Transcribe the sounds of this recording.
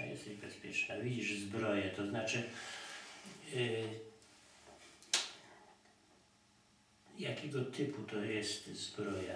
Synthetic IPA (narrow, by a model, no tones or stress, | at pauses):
jɛ̰st̪ɛʑbɛspʲjɛt͡ʂnavʲid͡ʑiʐzbɾɔjɛt̪ɔznat͡ʂɘ | jakʲɛɡɔt̪ʰɘput̪ɔjɛst̪zbɾɔja̰